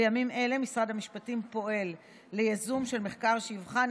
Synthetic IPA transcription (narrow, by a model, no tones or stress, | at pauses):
jamimʔe̞le̞misʁadhamiʃpatimpo̞ʔe̞lː | ejazumʃe̞lme̞χkaʁʃeivχan